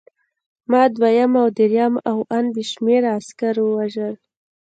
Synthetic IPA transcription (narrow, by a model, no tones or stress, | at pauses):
mɑd̪wajamawd̪eɾjamawanbiʃmeɾaaskaɾwəwaʒəl